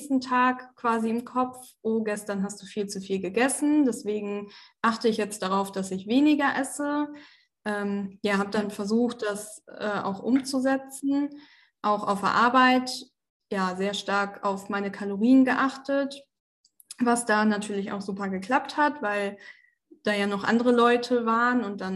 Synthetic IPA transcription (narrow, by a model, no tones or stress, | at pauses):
stn̩tʰaːkkʰv̥aːziɪmkʰɔp͡f | ʔoːɡɛstɐnɦastd̥uːfiːlt͡sufiːlɡəɡɛsn̩dɛsv̥eːɡŋ̩ʔaχtəɪçjɛt͡std̥aʁaʊfd̥asɪçv̥eːnɪɡɐʔɛsə | ʔɛːmjaːhaːbəd̥anfɛɐzuːxt̚d̥asʔɛːʔa̰ʊxʔʊmt͡suzɛt͡sn̩ | ʔaʊxʔa̰ʊfɛ̰ɐʔaɐbaɪt | jaːzeːɐʃtaɐkaʊfmaɪnəkʰaloʁ̞iːənɡəʔaχtət | vasd̥aːnatʰyːɐlɪça̰ʊxz̥uːpɐɡəkl̥ap̚thatv̥aɪl | d̥aːjaːnɔχʔa̰ndəʁ̞əlɔʏtʰəvaːʁənʊnt̚d̥an